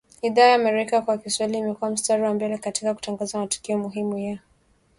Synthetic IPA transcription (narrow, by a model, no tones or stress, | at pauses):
iðaːjaːmɛɾɛikakwakiswailiːmɛkuam̩staɾiwambɛlɛkatikaku̥taŋɡazamatu̥kiɔmuɦimujia